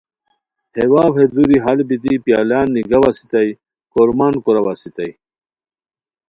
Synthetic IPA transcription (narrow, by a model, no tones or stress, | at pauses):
hewaːwhed̪uɾiɦalbit̪ipjaːlaːnːiɡɐwasi̥t̪ɐj | koɾmankuɾɐwasit̪ɐj